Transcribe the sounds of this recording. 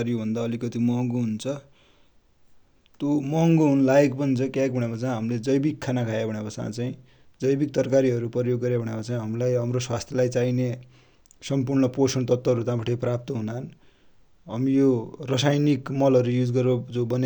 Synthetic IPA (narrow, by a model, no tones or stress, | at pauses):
ɾijobʱʌnd̪aʌlikʌt̪imʌɦʌŋɡoɦunt͡sʰʌ | t̪omʌɦŋɡoɦunlajek̚pʌnt͡sʰʌkjaek̚bʱʌɽ̃jakʌt͡saĩɦʌmled͡zʌjbikʰːanakʰajabʱʌɽjabʌsã̰t͡saĩ | d͡zʌjbik̚t̪ʌrkaɾiʌɾupʌjoɡːʌɾjabʱʌɽ̃jakʌt͡saĩɦʌmlajɦʌmroswast̪ʰjʌlajt͡saine | sʌmpurnʌposʌnʌt̪ʌt̪ːʌɦʌɾut̪ãpaʈeprap̚t̪ʌɦunan | ɦʌmijorʌsajnikmʌlʌɾujud͡zɡʌɾod͡zobʌne